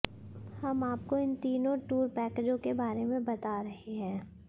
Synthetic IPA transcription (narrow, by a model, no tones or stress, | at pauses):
hɐmaːp̚koɪnt̪iːnõʈuːɾpɛːked͡ʒõkebaːɾemẽbɐt̪aɾɐɦeɦɛ̃ː